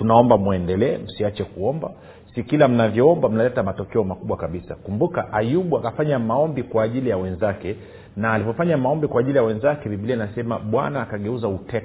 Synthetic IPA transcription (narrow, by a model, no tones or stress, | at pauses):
tunaɔmbamuɛndɛlɛːm̩siat͡ʃɛkuɔmba | sikilam̩navjɔɔmbam̩nalɛtamatɔkɛɔmakuɓwakaɓisa̰kumbukaʔajuɓuakafaɲamaɔmbikwaːʄilijawɛnzakɛ | naːlivɔfaɲamaɔmbikwaːʄilijawɛnzakɛɓiɓilianasɛmaɓwa̰naːkaɠɛuzautɛ